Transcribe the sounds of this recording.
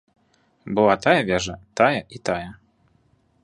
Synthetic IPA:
bɨlˠat̪ajɐvʲɛʐɐt̪ajɐʔit̪ajɐ

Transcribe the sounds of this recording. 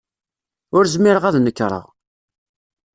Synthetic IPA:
ʊɾzmɪɾəʁæðnəkːɾˤə̰ʁ

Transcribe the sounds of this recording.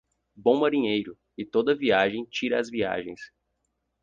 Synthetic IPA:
bõw̃maɾĩɲejɾʊ | ɪt̪od̪ɐviaʒẽj̃t͡ʃiɾɐːzvia̰ʒẽj̃s

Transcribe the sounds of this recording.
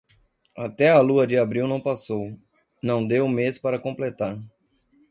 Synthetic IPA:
at̪ɛɐluɐd͡ʒɪabɾiwnɐ̃w̃pasow | nɐ̃w̃d̪ewmespaɾɐkõmplet̪aɾ

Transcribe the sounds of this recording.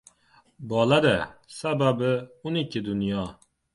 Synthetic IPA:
bɒlˠad̪æsæbæbɪʊnɪkʲʰːɪd̪ʊnjɑ

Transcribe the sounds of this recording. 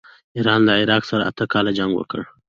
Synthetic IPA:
iɾɑnlaɪɾɑqsaɾaʔa̰t̪əkɑlad͡ʒaŋɡwə̰kə̰ɽ

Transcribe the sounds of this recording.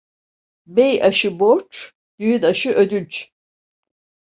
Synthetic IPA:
bejaʃɯboɾt͡ʃ | d̪̥yjynaʃɯʔød̪ynt͡ʃ

